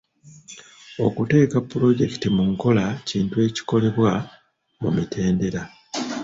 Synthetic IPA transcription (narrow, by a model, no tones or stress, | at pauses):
o̞̰kute̞ːkapːuɾo̞ɟe̞ki̥timuŋko̞laciːntue̞ːci̥ko̞le̞βwa | mṵmitʰe̞ːnde̞ɾa